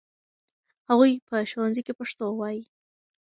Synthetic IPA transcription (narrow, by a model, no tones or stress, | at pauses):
haɣujpəʃowanzikepaʂt̪owɑji